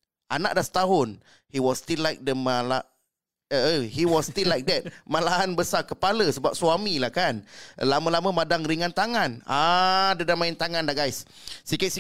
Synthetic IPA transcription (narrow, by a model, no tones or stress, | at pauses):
ʔana̰ʔdasə̥t̪aɦʊn | hiwɔst̪ilːajk̚dəmala | əəhiwɔst̪ilːajk̚dɛt̪̚malaɦanbəsakəpaləsəbap̚suamilahkanlamə̃lamə̃madaŋɾiŋant̪aŋãnadədamaɪnt̪aŋãndaʔɡajsː | ikɪt̪̚si